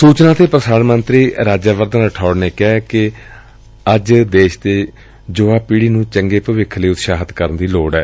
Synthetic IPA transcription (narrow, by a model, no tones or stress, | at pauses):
suːt͡ʃnãːt̪eːpɾəsaːnmənt̪ɾiːɾaːd͡ʒaːʋəɾd̪ənəʈʰɔːɽneːkɛːkɪ | əd͡ʒd̪eːʃt̪eː | d͡ʒoːaːpiːɽiːnũːt͡ʃəŋɡeːpəʋɪkʰːliːʊt̪ʃaːɦət̪kəɾənd̪iːloːɽɛː